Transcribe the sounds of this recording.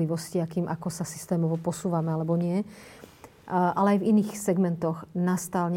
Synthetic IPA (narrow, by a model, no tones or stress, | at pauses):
liʋɔsciakiːmʔakɔsasi̥st̪ɛːmɔʋɔpɔsuːʋamɛalɛbɔɲɪɛ | ʔalɛajviniːxsɛɡmɛnt̪ɔɣnast̪aːlɲ